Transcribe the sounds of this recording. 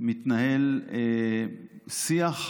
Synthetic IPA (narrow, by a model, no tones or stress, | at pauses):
mit̪naɦele | siaχ